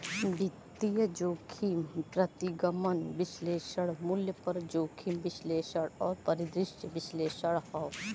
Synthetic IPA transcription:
bʱit̪ːijəd͡ʒoːkʰimpɾɐt̪iɡɐmɐnʋɪsleːʃɐɽmuljəpɐɾd͡ʒoːkʰimbɪsleːʃəɽɔːɾpɐɾid̪ɾɪʃjəʋɪsleːʃəɽhɔw

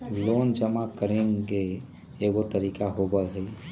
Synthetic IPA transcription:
lond͡ʒəmakəɾẽŋɡeː | ɡot̪əɾikaɦoɡəlɦəj

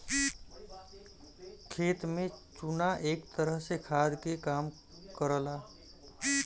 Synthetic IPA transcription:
kʰet̪met͡ʃunaʔekt̪əɾəɦsekʰad̪ʱkekam | kəɾəla

